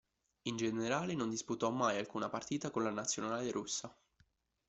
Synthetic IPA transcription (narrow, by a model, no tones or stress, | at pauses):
ind͡ʒeneɾaːlenond̪isput̪ɔmːajalkuːnapart̪iːt̪akonlanat̪sːjonaːleɾʔusːa